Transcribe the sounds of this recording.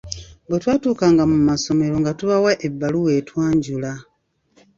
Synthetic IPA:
bwetwaːtuːkaːŋɡamumaso̞me̞ɾo̞ŋɡatuβawaʔebːaluwe̞ːtwaːɲɟula

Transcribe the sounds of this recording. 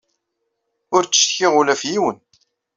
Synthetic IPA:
ʊɾt͡sːə̥ʃθçɪʁulæfjiwən

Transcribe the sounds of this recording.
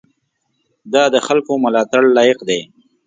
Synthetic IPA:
d̪ɑd̪əxalkomʊlɑːt̪aɽlɑːjɪqd̪e

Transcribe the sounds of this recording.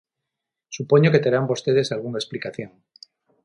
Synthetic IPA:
supo̞ɲoke̞t̪eɾambo̞st̪e̞ð̞e̞salɣ̞unaesplikaθjo̞ŋ

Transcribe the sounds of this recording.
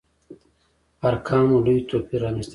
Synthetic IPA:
ɐɾkʰaːmulujt̪oːpiɾaːmist̪

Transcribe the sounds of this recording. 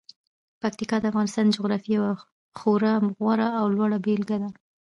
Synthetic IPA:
pak̚t̪ikɑd̪əafɣɑnɪst̪ɑnd̪d͡ʒʊɣɾɑfijawa | xoɾamɣwaɾaːwlwɑɽabelɡad̪a

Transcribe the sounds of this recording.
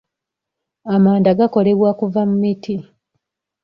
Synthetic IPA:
amaːndaɡako̞le̞βwakuvamumitʰi

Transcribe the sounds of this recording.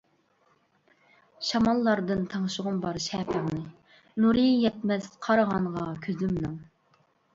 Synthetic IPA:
ʃɑmɑlˠːɑɾd̪ɨnt̪ʰɑŋʃʊʁʊmbɑɾʃɛːpʰæŋnɨ | nuɾijɛt̪̚mɛsqʰɑɾəʁɑɴʁɑkʲʰøzymnɨŋ

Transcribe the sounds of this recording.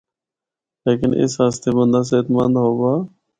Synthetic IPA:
leːkɪnʔɪ̰sɦaːst̪eːbə̃nd̪aːs̬eːt̪mənd̪ɦoːbaː

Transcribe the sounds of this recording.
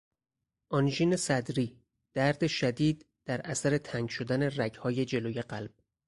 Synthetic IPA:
ʔɒnʒiːne̞sæd̪ɾiː | d̪̥æɾd̪eʃæd̪iːd̪ | d̪̥æɾʔæsæɾe̞t̪ʰæŋɡʃo̞d̪æne̞ræɟhɒːje̞d͡ʒe̞loːje̞ɢælb̥̚

